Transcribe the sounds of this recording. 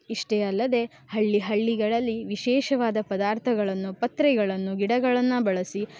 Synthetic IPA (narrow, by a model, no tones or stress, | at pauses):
iʂʈeɐlːɐd̪e̞ | hɐɭːiɦɐɭːiɡɐɭɐlːiʋiʃɛːʃɐʋaːd̪ɐpɐd̪aːɾt̪ʰɐɡɐɭɐnːupɐt̪ɾɛɡɐɭɐnːuɡiɽɐɡɐɭɐnːɐbɐɭɐsi